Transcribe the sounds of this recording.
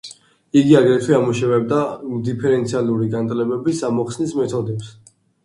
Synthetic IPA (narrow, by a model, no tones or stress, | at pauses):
iɡiaɡɾɛt̪ʰwiamuʃɛvɛb̚d̪amd̪ipʰɛɾɛnt̪sʰialˠuɾiɡant̪ʼlɛbɛbisamɔχsnismɛt̪ʰɔd̪ɛps